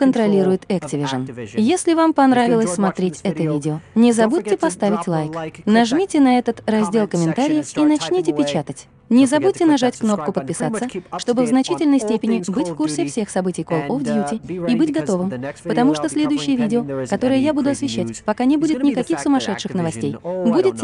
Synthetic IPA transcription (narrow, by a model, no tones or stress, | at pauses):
kənt̪ɾɐlʲiɾʊjɪt̪ɛktʲɪvʲɪʐənjesʲlʲɪvampɐnɾavʲɪlˠəsʲsmɐt̪ɾʲetʲɛt̪əvʲidʲɪonʲɪzɐbut̚ʲtʲːɪpɐst̪avʲɪtʲlˠajknɐʐmʲitʲɪnɐɛt̪ət̪rɐzʲdʲe̞lˠkəmʲɪnt̪aɾʲɪjəfinɐt͡ɕnʲitʲɪpʲɪt͡ɕat̪ətʲ | nʲɪzɐbut̚ʲtʲːɪnɐʐatʲkno̞p̚kʊpət̪̚pʲɪsat̪sːəʂt̪o̞bɨvznɐt͡ɕitʲɪlʲnəjsʲtʲepʲɪnʲɪbɨtʲfkursʲɪfsʲe̞xsɐbɨtʲɪjkolˠofd̪ʲjutʲɪibɨtʲɡɐt̪o̞vɨmpət̪ɐmuʂt̪osʲlʲe̞d̪ʊjʏɕːɪjəvʲidʲɪokɐt̪o̞ɾəjəjabud̪ʊɐsvʲɪɕːatʲpɐkanʲɪbudʲɪt̪nʲɪkɐkʲixsʊmɐʂɛt̪ʂɨxnəvɐsʲtʲejbudʲɪt̪̚tʲ